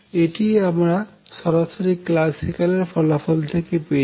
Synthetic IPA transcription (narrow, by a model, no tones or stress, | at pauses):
eʈiamɾa | ʃɔɾaʃoɾikːlasikaleɾfɔlafɔlt̪ʰekepe